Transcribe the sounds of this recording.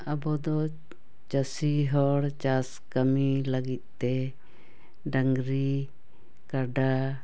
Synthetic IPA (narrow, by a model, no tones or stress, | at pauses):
abɔd̪ɔ | t͡ʃasiɦɔɽt͡ʃas | kəmiləɡit̪̚ˀt̪ɛ | ɖaŋɡɾi | kaɖa